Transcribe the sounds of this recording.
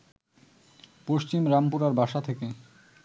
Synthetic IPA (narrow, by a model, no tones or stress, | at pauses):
poʃt͡ɕimɾampuɾaɾbʱaʃat̪ʰeke